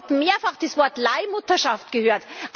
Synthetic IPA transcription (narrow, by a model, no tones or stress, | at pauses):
tmeːɐfaχd̥iːsv̥ɔɐtlaɪmʊtɐʃaftɡ̥əhøːɐtʔ